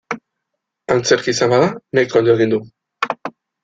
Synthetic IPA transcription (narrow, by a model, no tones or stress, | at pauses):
ant͡se̞ɾkisambaðanejkoond̪oeɣind̪u